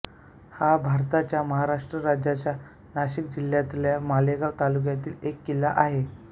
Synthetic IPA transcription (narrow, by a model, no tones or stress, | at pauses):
habʱaɾt̪at͡ɕjaməɦaɾaʂʈɾəɾad͡ʑat͡ɕja | naɕikd͡ʑil̤jat̪ljamaleɡat̪aluk̬jat̪iːlekːilaʔaɦe